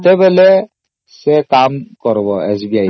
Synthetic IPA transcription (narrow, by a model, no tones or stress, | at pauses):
t̪ɛbɛlɛ | sɛkamkɔɾbɔɛsbia